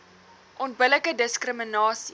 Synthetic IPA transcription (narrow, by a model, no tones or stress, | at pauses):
ʔɔnt̚bələkədəskrəmənɑːsi